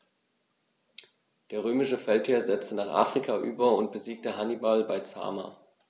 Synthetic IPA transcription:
d̥eːɐʁ̞øːmɪʃəfɛltheːɐzɛt͡stənaːχʔa̰ːfʁ̥ikʰaʔyːbɐʊnt̚b̥əziːk̚təɦanibalbaɪt͡sa̰ːma̰ː

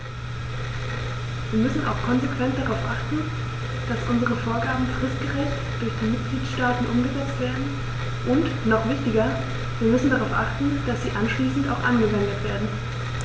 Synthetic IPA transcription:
viːɐmʏsn̩a̰ʊxkʰɔnzekv̥ɛnt̚d̥aʁaʊfʔaχtn̩ | d̥asʔʊnzəʁ̞əfoːɐɡaːbm̩fʁ̥ɪstɡ̥əʁɛçt | d̥ʊɐçd̥iːmɪt̚ɡ̥liːtʃtaːtn̩ʔʊmɡəzɛt͡stv̥eːɐdn̩ | ʔʊnt | nɔχv̥ɪçtɪɡɐ | viːɐmʏsn̩daʁaʊfʔaχtn̩d̥asz̥iːʔanʃliːsn̩ta̰ʊxʔa̰nɡəvɛndətv̥eːɐdn̩

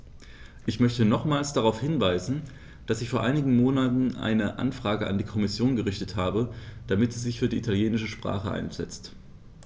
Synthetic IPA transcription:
ʔɪçmœçtənɔχmaːlsd̥aʁaʊfhɪnvaɪzn̩ | d̥asɪçfoːɐʔaɪnɪɡŋ̩moːnatn̩ʔa̰ɪnəʔa̰nfʁ̥aːɡəʔa̰ndiːkʰɔmɪsjoːnɡəʁɪçtəthaːbəd̥amɪtz̥iːzɪçfyːɐdiːʔitʰaljeːnɪʃəʃpʁ̥a̰ːχəʔa̰ɪnz̥ɛ̰t͡st

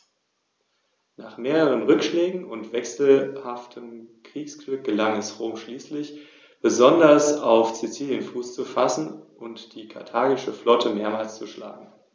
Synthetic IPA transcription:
naːχmeːʁəʁ̞ənʁʏkʃlɛːɡŋ̩ʊntv̥ɛksl̩haftʰəmkʁ̥iːksɡ̥lʏk̚ɡ̥əlaŋɛsʁoːmʃliːslɪç | b̥əzɔndɐsaʊft͡sit͡siːljənfuːst͡sufasn̩ʔʊntd̥iːkʰa̰ɐtʰaːɡɪʃəflɔtʰəmeːɐmaːlst͡suʃla̰ːɡŋ̩

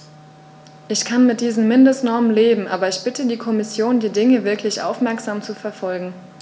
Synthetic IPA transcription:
ʔɪçkʰanmɪt̚d̥iːzn̩mɪndəstnɔɐmənleːbm̩ʔa̰ːbɐɪçb̥ɪtʰədiːkʰɔmɪsjoːndiːdɪŋəvɪɐklɪçʔa̰ʊfmɛɐkz̥aːmt͡sufɛɐfɔlɡŋ̩

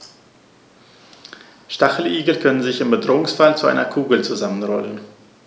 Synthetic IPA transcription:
ʃtaχl̩ʔiːɡl̩kʰœnənzɪçɪmbədʁoːʊŋsfalt͡suʔa̰ɪnɐkʰuːɡl̩t͡suzamənʁɔlən

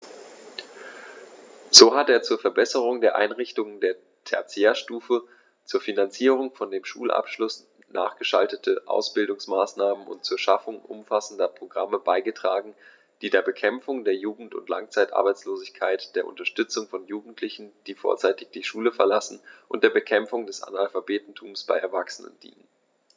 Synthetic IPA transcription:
z̥oːɦateːɐt͡suːɐfɛɐbɛsəʁ̞ʊŋdeːɐʔa̰ɪnʁɪçtʊŋəndeːɐ | tʰɛ̰ɐt͡seːɐʃtuːfə | t͡suːɐfinant͡siːʁ̞ʊŋfɔndeːmʃṵːlʔa̰pʃlʊs | nʔa̰ːχɡ̥əʃa̰ltətʰəʔa̰ʊsb̥ɪldʊŋsmaːsnaːmənʊ̰nt̚t͡suːɐʃafʊŋʔʊ̰mfasn̩dɐpʁ̥oɡʁaməbaɪɡətʁ̥aːɡŋ̩ | d̥iːdeːɐbəkʰɛmfʊŋdeːɐjuːɡŋ̩tʊ̰ntla̰ŋt͡saɪtʔa̰ɐbaɪt͡sloːzɪçkʰaɪtd̥eːɐʔʊ̰ntɐʃtʏt͡sʊŋfɔnjuːɡŋ̩tʰlɪçn̩d̥iːfo̰ːɐt͡saɪtɪçd̥iːʃuːləfɛɐlasn̩ʔʊnt̚d̥eːɐbəkʰɛmfʊŋdɛsʔa̰nalfabeːtn̩tʰuːmsb̥a̰ɪʔɛɐvaksənə̰nd̥ḭːnən

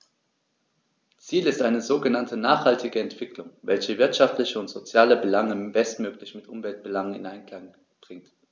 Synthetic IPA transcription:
t͡siːlɪstʔaɪnəzoːɡənantʰənaːχhaltʰɪɡəɛntv̥ɪklʊŋvɛlçəvɪɐtʃaftlɪçəʊntz̥ot͡sjaːləbəlaŋəb̥ɛstmøːklɪçmɪtʔʊmvɛlt̚b̥əlaŋənɪ̰nʔaɪnkl̥aŋ | b̥ʁɪŋt

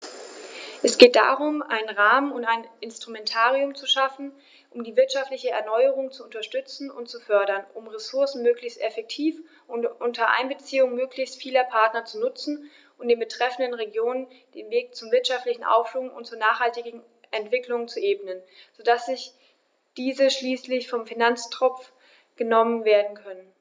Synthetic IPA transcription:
ʔɛsɡ̥eːt̚d̥a̰ːʁʊmʔa̰ɪnənʁaːmənʊntaɪnɪnstʁ̥umɛntʰaːʁiʊmt͡suʃafn̩ | ʔʊmdiːvɪɐtʃaftlɪçəɛ̰ɐnɔʏəʁ̞ʊŋt͡suʊntɐʃtʏt͡sn̩ʊntt͡sufœɐɾɐnʔʊmʁesʊɐsn̩møːklɪçstʔɛfɛk̚tʰiːf | ʔʊnʔʊntʰɐʔa̰ɪnbət͡siːʊŋmøːklɪçstfiːlɐpʰaɐtnɐt͡sunʊt͡sn̩ | ʔʊntd̥eːnbətʁ̥ɛfn̩dənʁeɡjoːnən | d̥eːnveːk̚t͡sʊmvɪɐtʃaftlɪçn̩ʔa̰ʊfʃluŋʊ̰ntt͡suɐnaːχhaltɪɡɡŋ̩ | ʔɛntv̥ɪklʊŋt͡suʔeːbənənzodasz̥ɪç | d̥iːzəʃliːslɪçfɔmfinant͡stʁ̥ɔp͡f | ɡ̥ənɔmənveːɐdn̩kʰœnən

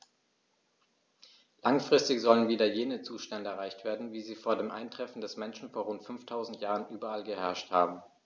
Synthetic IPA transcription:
laŋfʁ̥ɪstɪçz̥ɔlənviːdɐjeːnət͡suːʃtɛndəɛɐʁ̞aɪçtv̥eːɐdn̩viːziːfoːɐdeːmʔa̰ɪntʁ̥ɛfn̩dɛsmɛnʃn̩foːɐʁ̞ʊntfʏnftʰaʊzn̩tjaːʁənʔyːbɐalɡəhɛɐʃthaːbm̩

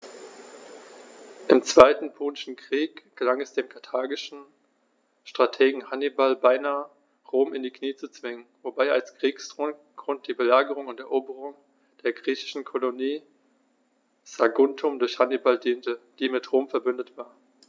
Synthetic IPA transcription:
ʔɪmt͡sv̥aɪtn̩pʰoːnɪʃn̩kʁ̥iːkɡ̥əlaŋɛsd̥eːmkʰaɐtʰaːɡɪʃn̩ | ʃtʁ̥atʰeːɡŋ̩hanibalbaɪnaːə | ʁoːmɪndiːkniːt͡sut͡sv̥ɪŋənvobaɪalskʁ̥iːkstʁ̥oːn | ɡ̥ʁʊnt̚d̥iːbəlaːɡəʁʊŋʊntɛɐʔoːbəʁʊŋ | d̥eːɐɡʁiːçɪ̥ʃn̩kʰoloniː | z̥aɡʊntʰʊmdʊɐçhanibaldiːntəd̥iːmɪtʁoːmfɛɐbʏndətv̥aːɐ

